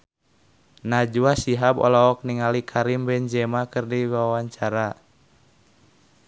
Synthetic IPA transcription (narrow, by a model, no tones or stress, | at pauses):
nad͡ʒuasiɦabɔ̰lɔɔk̚niŋalikʰaɾimbɛɲd͡ʒɛmakɨrdiwawaɲt͡ʃaɾa